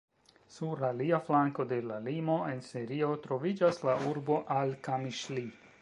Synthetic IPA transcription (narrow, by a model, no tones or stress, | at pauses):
suɾlaliaflaŋko̞de̞lalimo̞e̞nsiɾio̞tɾo̞vid͡ʒaslauɾbo̞ʔalkamiʃli